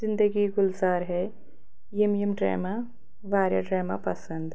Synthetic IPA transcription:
zɪnd̪əɡiɡʊlzaːɾɦɛ | jimjəmɖɾɛ̰ːma | ʋaːɾja̰ɖɾɛːmapɐsə̃nd̪

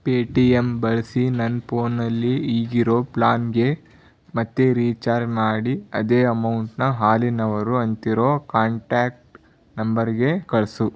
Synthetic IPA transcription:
peːʈiembɐɾɐsinɐnpoːnɐlːiiːɡiɾoːplaːnɡe̞ | mɐt̪ːeɾiːt͡ʃaːɾmaːɽiɐd̪eːɐmɐwuɳʈnɐɦaːlinɐʋɐɾuɐnt̪iɾoːkaːɳʈaːk̚ʈ | nɐmbɐɾɡe̞kɐɭsu

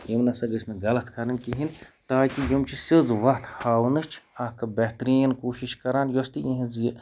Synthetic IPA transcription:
jimnɐsɐɡəsʰnɨɡɐlɐt̪ʰkʰɐɾɐnkiɦinʲt̪aːkijimt͡ʃʰisizʋɐɦt̪ʰhaːwnɨt͡ʃʰɐhkɐbɛht̪ɾiːnkoːʃiʃkɐɾaːnjost̪iʔĩɦĩnzji

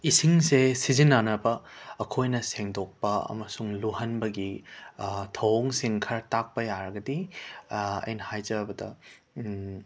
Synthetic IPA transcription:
isiŋsesizinːanɐbɐːkʰojnɐseŋdok̚pɐɐ̰mɐsuŋluɦɐnbɐɡi | tʰɐwŋsiŋkʰɐɾtak̚pɐjaɾɐɡɐdi | ɐ̰jnɐhajzɐbɐdɐ̰

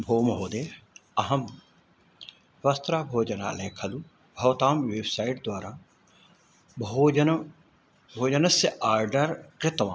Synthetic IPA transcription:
bʱoːmɦoːd̪eːɐɦɐm | ʋɐst̪ɾaːbʱoːd͡ʒəna̰ːleːkʰɐlu | bʱɐʋt̪aːɐmʋeːbsaːɪʈ̚d̪waːɾãː | bʱoːd͡ʒən | bʱoːd͡ʒənɐsjəʔaːɾɖəɾkɾɪt̪ʋã̰ː

